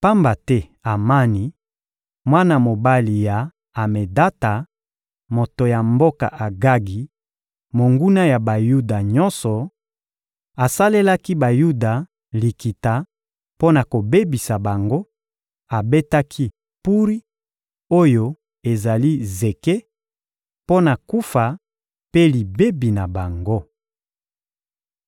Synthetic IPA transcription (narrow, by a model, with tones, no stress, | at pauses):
pa˦mba˨tɛ˦ | a˨ma˦ni˨ | mwa˦na˨mo˨ba˦li˨jaː˨ | me˨da˦ta˨ | mo˨to˨ja˨mbo˦ka̰˨ʔa˨ɡa˦ɡi˨ | mo˨ŋɡu˦na˦ja˨ba˨ju˦da˨ɲɔ˦nsɔ˨ | a˨sa˦le˦la˦ki˦ba˨ju˦da˨ | li˨ki˨ta˨ | po˦na˨ko˨be˦bi˨sa˨ba˨ŋɡo˦ | a˨be˦ta˦kʰi˦ | pu˦ʁi˦ | o˦jo˦ | e˨za˨li˦ze˨ke˦ | po˦na˨ku˦fa˨ | pe˦li˨be˦bi˨na˨ba˨ŋɡo˦